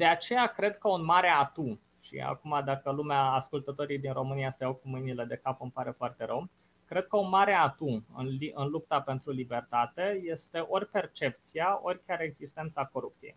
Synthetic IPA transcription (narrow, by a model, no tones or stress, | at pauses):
d̪e̞at͡ʃe̞jakɾe̞d̪kəunmaɾeat̪u | ʃḭa̰kumad̪akəlumeaːskult̪ət̪o̞ɾijd̪inro̞mɨnijaseawkumɨjnile̞d̪e̞kapɨmpaɾe̞foart̪e̞ɾəw | kɾe̞d̪̚kəunmaɾeat̪uɨ̰nliɨnlupt̪ape̞nt̪ɾulibe̞rt̪at̪e̞je̞st̪e̞ʔo̞rʲpe̞rt͡ʃe̞pt̪sijao̞̰rʲkʲaɾe̞ɡzist̪e̞nt̪sako̞ɾup̚t̪sijḛj